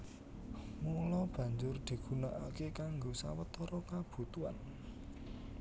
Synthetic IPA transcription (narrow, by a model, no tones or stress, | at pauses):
mulɔb̥ä̤ɲd͡ʒʊrd̪̥i̤ɡ̥ṳnaʔakekaŋɡosa̰wət̪ɔɾɔkab̥ṳt̪ua̰n